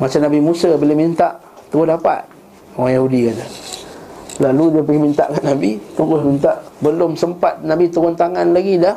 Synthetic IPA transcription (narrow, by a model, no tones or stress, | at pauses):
mat͡ʃanabimusəbəlemint̪aʔ | t̪əɣʊhdapa̰t̪̚ | awajahudikat̪ə | laludiəpəɡimint̪a̰ʔkaʔnabit̪uɾʊsmint̪aʔbəlʊmsəmpat̪̚nabit̪əɣʊnt̪aŋanlaɡidah